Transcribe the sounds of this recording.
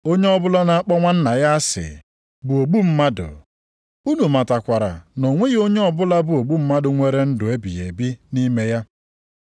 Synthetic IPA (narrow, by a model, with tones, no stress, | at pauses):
o˦ɲe˦ɔ˦bʊ˦la˦na˨˦a˦k͡pɔ˦ŋʷa˦n̩˦na˨ja˦a˦sɪ̰˨ | bʊ˨o˨ɡ͡bu˦m̩˦ma˦dʊ̰˨ | u˦nu˨ma˨ta˨kʷa˨ɾa̰˨no˨ŋʷe˦ɣi˦o˦ɲe˦ɔ˦bʊ˦la˦bʊ˨o˨ɡ͡bu˦m̩˦ma˦dʊ˨ŋʷe˦ɾe˦n̩˦dʊ˨e˦bḭ˨jḛ˨bi˦ni˦me˦ja˦